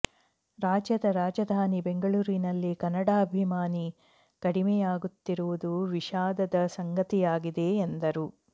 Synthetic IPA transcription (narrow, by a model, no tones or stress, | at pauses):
ɾaːd͡ʒjɐd̪ɐɾaːd͡ʒɐd̪ʱaːnibeŋɡɐɭuːɾinɐlːikɐnːɐɽaːɐbʱimaːni | kɐɽimɛjaːɡut̪ːiɾuʋud̪uʋiʃaːd̪ɐd̪ɐsɐŋɡɐt̪ijaːɡid̪e̞ːnd̪ɐɾu